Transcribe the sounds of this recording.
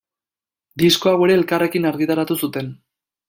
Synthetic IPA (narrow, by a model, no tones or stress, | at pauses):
d̪isko̞awe̞ɾe̞ːlkare̞kinaɾɣit̪aɾat̪usut̪e̞n